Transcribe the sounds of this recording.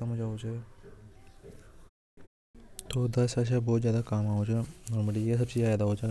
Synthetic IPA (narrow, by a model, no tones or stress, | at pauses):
amod͡ʒaːot͡ʃʰe | t̪od̪ɐsɐʃ̬abɔːt̪zjaːd̪akaːmaːot͡ʃʰenɔːɾməlijes̬ɐbsijaːd̪aɦot͡ʃa